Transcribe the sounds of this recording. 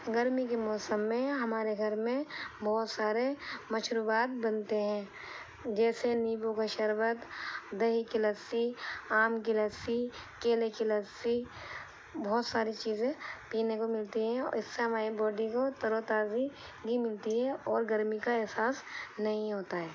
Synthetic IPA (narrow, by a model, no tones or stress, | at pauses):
ɡɐɾmikemɔːsəmːẽɦɐmaːɾeɡʱɐɾmẽbɔːt̪saːɾemɐʃɾuːbaːt̪̚bɐnt̪eɦɛ̃ː | d͡ʒɛːseniːbõkaʃɐɾbət̪d̪ɐɦikɪləsiaːmkiləsikeːlekɪləsi | bɔːt̪saːɾit͡ʃiːzẽpiːnekomɪlt̪iɦɛ̃ɪsːeɦɐmaːibɔːɖikot̪ɐɾot̪aːzi | ɡimɪlt̪iɦɛɔːɾɡɐɾmikaɛɦsaːsnɐɦĩɦoːt̪aɦɛː